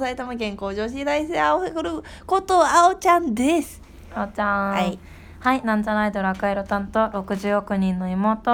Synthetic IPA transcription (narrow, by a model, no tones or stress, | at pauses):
sait̪amakẽ̞ŋko̞ːʑo̞ːɕ̬id̪ais̬eaokɾɯ | kot̪oaot͡ɕãnd̪esɨ̥ | aot͡ɕã | hainãntaɾaid̪o̞ɾakaiɾo̞t̪ãnt̪o̞ɾo̞kɯ̟ʑɨːokɯ̟ɲ̟ĩnːo̞imo̞ːt̪o